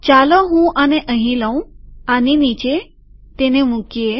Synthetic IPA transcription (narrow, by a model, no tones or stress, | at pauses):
t͡ɕalɔɦũʔaneʔə̃ɦĩlə̃w̃aninit͡ɕe | t̪enemũkie